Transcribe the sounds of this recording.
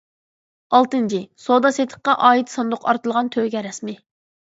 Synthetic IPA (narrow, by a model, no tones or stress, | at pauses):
ɑlˠt̪ɨnt͡ʃʰisod̪ɑset̪ʰə̥q̚qɑʔɑːɦit̪sɑnd̪ʊqʰɑ̰ɾt̪ɨlˠʁɑnt̪ʰøɡʲɛɾɛsmɪ